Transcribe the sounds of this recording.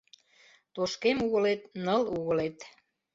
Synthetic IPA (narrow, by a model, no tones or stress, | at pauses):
t̪oʃkemuɣə̆let̪nəluɣə̆let̪